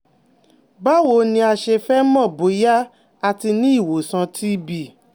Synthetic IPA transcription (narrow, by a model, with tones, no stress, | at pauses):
ba˦wo˨˦nĩ˧a˧ʃe˧fɛ˦mɔ̃˦˨bo˨˦ja˦ | a˧ti˧nĩ˦i˦˨wo˨sã˧tʰi˦bi˦˨